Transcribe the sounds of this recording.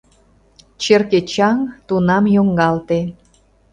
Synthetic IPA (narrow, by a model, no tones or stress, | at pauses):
t͡ɕerket͡ɕɑŋt̪unɑmjoŋɡɑlt̪e